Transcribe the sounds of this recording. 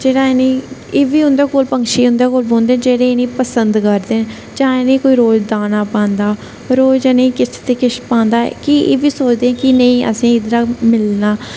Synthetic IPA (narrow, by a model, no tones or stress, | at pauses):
d͡ʒeːɽaːeniːeːʋiːʊ̃nd̪eːkoːlpəŋkʃiːʊnd̪eːkoːlbõːnd̪eːd͡ʒeːɽẽːenĩːpəsənd̪kəɾd̪eː | d͡ʒãːenẽːkoːiːɾoːd͡ʒd̪aːnaːpãːnd̪aː | ɾoːd͡ʒanəĩːkɪst̪eːkɪʃpãːnd̪a̰ːkɪḛːʋiːsoːt͡ʃd̪eːɛ̃ːkɪnəĩːʔə̰sĩːɪd̪ɾaːmɪlnaː